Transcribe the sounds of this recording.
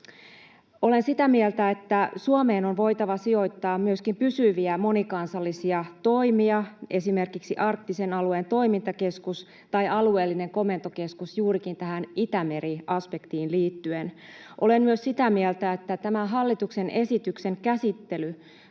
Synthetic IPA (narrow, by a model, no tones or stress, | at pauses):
o̞lensit̪æmielt̪æe̞t̪ːæsuome̞ːno̞nʋo̞jt̪ɑʋɑsio̞jt̪ːɑːmmyøskimpysyʋiæmo̞nikɑnsɑlːisiɑt̪o̞jmiɑe̞sime̞rkiksiʔɑrkt̪ːise̞nɑlueːnt̪o̞imint̪ɑke̞skus | t̪ɑjɑlue̞ːlːine̞ŋko̞me̞nt̪oke̞skusjuːɾikint̪æɦænit̪æme̞ɾiɑspe̞kt̪iːnliːt̪ːyenʔo̞le̞nmyøssit̪æmielt̪æet̪ːæt̪æmæɦɑlːit̪ukse̞nʔe̞sit̪ykse̞ŋkæsit̪ːe̞ly